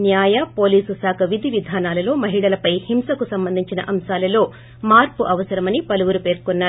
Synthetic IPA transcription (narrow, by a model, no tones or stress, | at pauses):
njaːjɐpoːliːsusaːkʰɐʋid̪ʱiʋid̪ʱaːnaːlɐlo̞ːmɐɦiɭɐlɐpɐjhimsɐkusɐmbɐnd̪ʱiɲt͡ʃinɐ̰ʔɐmsaːlɐlo̞ː | maːɾpuʔɐʋɐsɐɾɐmɐnipɐluʋuɾupe̞ːɾkɔnːaː